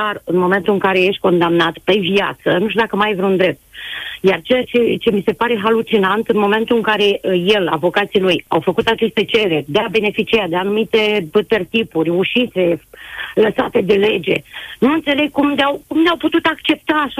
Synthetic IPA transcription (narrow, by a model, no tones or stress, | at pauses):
arɨnmo̞me̞nt̪uɨŋkaɾe̞je̞ʃt̪̚ʲko̞nd̪amnat̪pe̞via̰t̪sənuʃt̪ud̪akəmajvɾeund̪ɾe̞p̚t̪̚jart͡ʃejat͡ʃet͡ʃe̞mise̞paɾe̞ɦalut͡ʃinant̪ɨnmo̞me̞nt̪uɨŋkaɾe̞je̞la̰vo̞kat̪siluja̰wfəkut̪at͡ʃe̞st̪e̞t͡ʃe̞ɾe̞rʲd̪eabe̞ne̞fit͡ʃiad̪eanumit̪e̞t̪e̞rt̪ipurʲuʃit̪se̞ləsat̪e̞d̪e̞le̞d͡ʒe̞̰nuɨnt̪se̞le̞ɡ̚kumleawkumleawput̪ut̪akt͡ʃe̞p̚t̪aːʃa